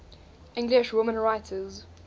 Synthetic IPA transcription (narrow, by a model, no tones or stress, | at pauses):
ɪ̃ŋɡlɪʃwʊmə̃nɹaɪtʰəz